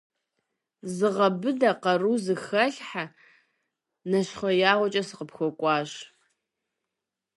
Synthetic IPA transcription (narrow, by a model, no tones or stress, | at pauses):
zɨʁɐbɨdaqɐruzɨxɐɬħa | nɐɕχʷɔjaːʁʷɔt͡ʃʼɐsɨqəpxʷɔkʷʼɑːɕ